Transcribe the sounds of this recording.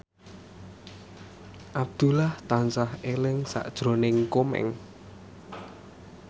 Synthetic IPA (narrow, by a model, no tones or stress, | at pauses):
ʔab̚d̪̥ulaht̪ansahelɪŋsa̰ʔd̥ʒ̥ɾo̤nɪŋkomɛ̰ŋ